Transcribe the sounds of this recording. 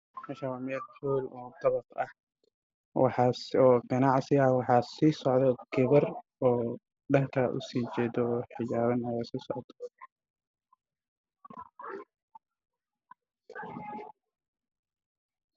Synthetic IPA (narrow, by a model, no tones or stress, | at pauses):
mɛʃɐwamɛd̪ħuːlɔːt̪ɐβɐt̪ɐ̰h | wɑħɑːsɔːɡɐnɑʕsɪɐwɑħɑːsiːsɔʕðɛɡɪβɐrɔː | ɖɐŋkʰɐʔʊ̰siːt͡ʃɛːd̪ɔːħɪt͡ʃaːβɐnɐjaːsiːsɔʕt̪ʰ